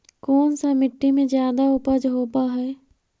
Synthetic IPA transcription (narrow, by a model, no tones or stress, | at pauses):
kɔːnsamɪʈːimẽzjaːd̪aʊpəd͡ʒɦoːpaɦɛː